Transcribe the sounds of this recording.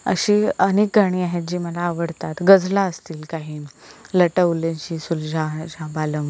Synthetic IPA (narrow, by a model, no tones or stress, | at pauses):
ə̰ɕiːənek̚ɡʱaɽ̃iːaɦet̪̚d͡ʑiːməlaːʋəɽt̪at̪ɡəd͡zʱlaəst̪iːlkaɦiː | ləʈəʋlẽt͡ɕiːsuld͡ʑʱad͡ʑabaləm